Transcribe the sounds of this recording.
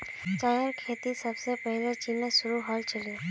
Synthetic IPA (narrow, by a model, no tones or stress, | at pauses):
t͡ʃajəɾkʰeːt̪isəbsepəɦlet͡ʃinesʊɾuɦalt͡ʃəlie